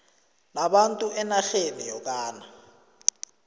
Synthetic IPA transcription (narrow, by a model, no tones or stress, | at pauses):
naɓantʼuʔɛnaxenijɔk̬ʼaːna